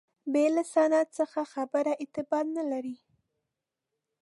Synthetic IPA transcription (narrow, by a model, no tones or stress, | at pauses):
belasanat̪səxaxabəɾaʔɪt̪ɪbɑd̪nalaɾi